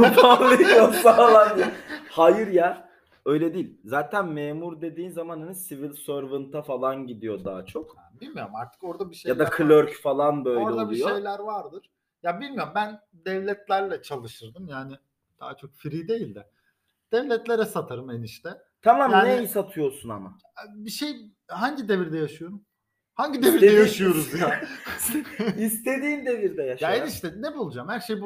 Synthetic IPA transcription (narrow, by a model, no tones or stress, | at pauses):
fablˠɯjosalˠajnhajɯɾja | ø̞jlʲɛd̪iːlʲzaːt̪ʰænmeːmuɾd̪e̞d̪iːnzamanɯnɯsivilʲsøɾvɯnt̪ʰafalˠanɟid̪ijo̞d̪aːt͡ʃʰo̞kbilʲmijoɾmaɾt̪ʰɯ̥ko̞ɾd̪abiʃejad̪akʰɯlʲøɾcfalˠanbø̞jlɾɛoalˠiujoejlʲæɾvaɾd̪ɯɾ̥ | jabilʲmijo̞ɾmbæn | d̪ɛvlʲɛt̪ʰlʲæɾlʲɛt͡ʃʰalˠɯʃɯɾd̪ɯmjaːnɪ | d̪̥a̰ːat͡ʃʰo̞k̚fɾiːd̪e̞jilʲd̪ɛ | d̪̥ɛvlʲɛt̪lʲe̞ɾɛsat̪ʰaɾɯmeniʃt̪ɛ | t̪ʰamamjaːneisat̪ʰɯjo̞sunama | biʃej | ɦaɲɟid̪e̞viɾd̪ɛjaʃɯjoɾum | haɲɟid̪eviɾd̪ɛjaʃɯjo̞ɾuzja | ist̪ʰe̞d̪iːmd̪e̞viɾd̪ɛjaʃjaeniʃt̪ɛnɛbulˠud͡ʒamhæɾʃejb